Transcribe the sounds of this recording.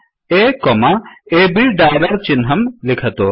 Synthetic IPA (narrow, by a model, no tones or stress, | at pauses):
ekɔmaebiɖaːlɐɾt͡ʃinɦɐmlikʰɐt̪o